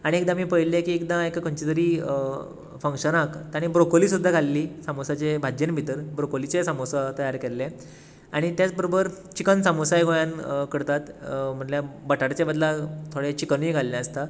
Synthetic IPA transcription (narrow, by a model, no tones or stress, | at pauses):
aɽ̃iekd̪ãmiːpəɦilekiːekd̪ãekkəɲt͡ɕit̪əɾiː | fəŋkʂənakt̪aɽ̃ibɾokoliːsud̪ʱːaɡʱalːiːsamosat͡ɕebʱad͡ʑenbʱit̪əɾbɾokolit͡sesamosat̪əjaɾkelːẽ | aɽ̃it̪jat͡sbəɾobəɾ | t͡ɕikənsamosajɡʱõjankəɽt̪at̪m̤əɳljabəʈaɾt͡ɕebəd̪lat̪ʰːoɽet͡ɕikəniɡʱalːẽəst̪a